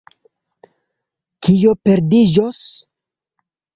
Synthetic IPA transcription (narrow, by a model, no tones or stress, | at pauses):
kʰijopeɾdid͡ʒos